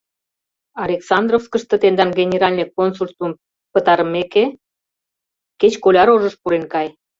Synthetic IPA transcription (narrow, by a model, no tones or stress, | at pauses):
ɑlʲeksɑnd̪rofskəʃt̪ɤ̆t̪end̪ɑnɡenʲeɾɑlʲnʲekonsulʲt̪um | pət̪ɑɾəmeke | ket͡ɕkolʲɑɾoʒəʃpuɾenkɑj